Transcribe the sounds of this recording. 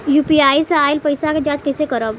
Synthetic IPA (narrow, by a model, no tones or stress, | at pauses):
jupiajsəailpəjsaked͡ʒat͡ʃkəjsekəɾəb